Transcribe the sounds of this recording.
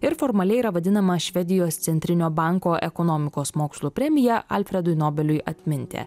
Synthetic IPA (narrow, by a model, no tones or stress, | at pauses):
ɪɾfɔːɾmɐlʲɛɪiːɾɐʋɐd̪ʲɪnɐmɐʃʲʋʲɛd̪ʲɪjoːst̪sʲɛnʲt̪ʲɾʲɪnʲoːbɑˑŋkoːʔɛkɔnɔmʲɪkoːsmoːkslˠuːpʲɾʲɛmʲɪjɛʔɐ̰lʲfʲɾʲɛd̪ʊɪnoːbʲɛlʲʊjɐt̪ʲmʲɪnʲt̪ʲḛ